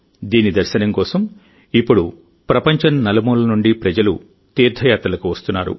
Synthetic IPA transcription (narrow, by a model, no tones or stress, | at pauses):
d̪iːnid̪ɐɾʃɐnɐŋkɔːsɐm | ipːuɽu | pɾɐpɐɲt͡ʃɐnnɐlɐmuːlɐnuɳɖipɾɐd͡ʒɐlṵ | t̪iːɾd̪ʱɐjaːt̪ɾɐlɐkuʋɐst̪unːaːɾṵ